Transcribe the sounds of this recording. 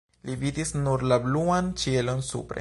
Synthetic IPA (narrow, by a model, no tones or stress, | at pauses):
lividisnuɾlabluant͡ʃie̞lo̞nsṵpɾḛ